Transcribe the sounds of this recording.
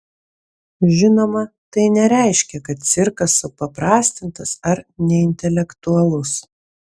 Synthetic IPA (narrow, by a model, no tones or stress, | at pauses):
ʒʲɪnoːmɐt̪ɐɪnʲɛɾʲæˑɪʃʲkʲɛkɐt̪̚t̪sʲɪɾkɐsʊpɐpɾɑːsʲt̪ʲɪnt̪ɐsɐɾnʲɛɪnʲt̪ʲɛlʲɛkt̪ʊɐlˠʊs